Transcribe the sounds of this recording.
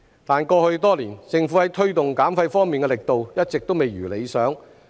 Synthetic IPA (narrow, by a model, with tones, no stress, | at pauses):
t̪aː˨nkɔː˧hɵ˧ɥt̪ɔː˥liː˨˩nt͡sɪ˨ŋfu˨˥hɐ˨˥jt̪ʰɵ˥ɥt̪ʊ˨ŋkaː˨˥mfɐ˧jfɔː˥ŋmiː˨nkɛː˧lɪ˨˩k̚t̪o˨wjɐ˥t̚t͡sɪ˨k̚t̪o˥wme˨jɥyː˨˩le˨˧jsœː˨˥ŋ